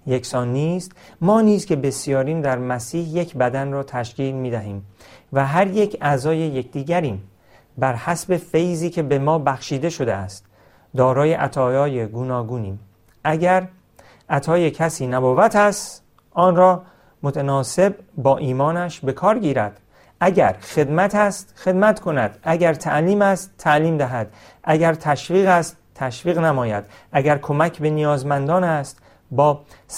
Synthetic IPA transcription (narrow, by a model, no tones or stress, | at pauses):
jeksɒːnːiːst̪mɒːniːzkʲʰe̞be̞sijɒːɾiːmd̪æɾmæsiːhje̞cʰbæd̪ænrɒːt̪ʰæʃciːlmiːd̪æɦiːmvæɦæɾjecʰæːzɒːje̞je̞cd̪iːɟæɾiːm | bæɾhæsbe̞fe̞jziːcʰe̞be̞mɒːbæxʃiːd̪e̞ʃo̞d̪eæst̪ | d̪ɒːɾɒːje̞ʔæt̪ʰɒːjɒːjeɡunɒːɡuːniːm | ʔæɟæɾ | ʔæt̪ʰɒːjecʰæsiːnæboːvæt̪ʰæst̪ | ʔɒːnɾɒː | mot̪ʰænɒːse̞b̚bɒːʔiːmɒːnæʃbe̞kʰɒːɾɡiːɾæd̪̥ | ʔæɟæɾxe̞d̪mæt̪ʰæst̪xe̞d̪mæt̪kʰo̞næd̪̥æɟæɾt̪ʰæʔliːmæst̪t̪ʰːæliːmd̪æɦæd̪̥ | ʔæɡæɾt̪ʰæʃviːɣæst̪t̪ʰːæʃviːɣnæmɒːjæd̪̥ | ʔæɡæɾkʰo̞mæcʰbe̞nijɒːzmænd̪ɒːnæst̪ | bɒː